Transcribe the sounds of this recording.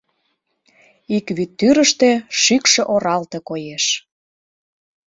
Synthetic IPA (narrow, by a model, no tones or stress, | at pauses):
ikβyt̪ːyɾə̆ʃt̪ĕʃykʃĕʔoɾɑlt̪ĕkojeʃ